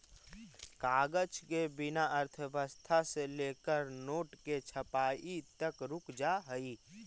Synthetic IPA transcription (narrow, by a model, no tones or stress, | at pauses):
kaːɡət͡ʃkebɪnaʔəɾt̪ʰəbəst̪ʰaseleːkəɾnoːʈket͡ʃʰəpaːit̪əkɾʊkʰd͡ʒaɦəi